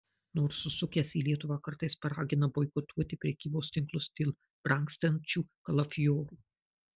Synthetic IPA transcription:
noːɾsːʊsʊkʲɛsiːlʲiɛt̪ʊʋɑːkɐɾt̪ɐɪspɐɾɑːɡʲɪnɐboːɪkʊt̪ʰuɔt̪ʲɪpʲɾʲɛkʲiːboːst̪ʲɪŋklˠʊsd̪ʲeːlˠ | bɾɐŋksʲt̪ʲɛnʲt͡ʃʲuːkɐlˠɐfʲjoːɾuː

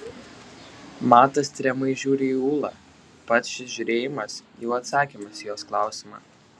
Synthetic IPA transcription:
mɑːt̪ɐst̪ʲɾʲɛmɐɪʒʲuːɾʲeiuːlˠɑ̰ː | pɐt̪sʃʲɪʒʲʊɾʲeːjɪmɐsjɛʊɐt̪sɑːkʲiːmɐsjoːsklˠɑˑʊsʲɪmɑ̰ː

